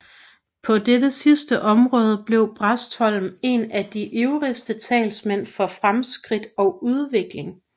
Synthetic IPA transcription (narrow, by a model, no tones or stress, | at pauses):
pʰɒ̽d̥edəsisd̥əʔɒ̽mʁɔ̽ːð̞ˠəb̥le̝ʊ̰b̥ʁasd̥hɒ̽l̰m̩e̝næd̥iʔeʊʁisd̥ət͡sʰɛ̰ːlsmen̰fɒ̽fʁamsɡ̥ʁid̥ɒ̽ʊuð̞ˠʋe̝ɡ̥le̝ŋ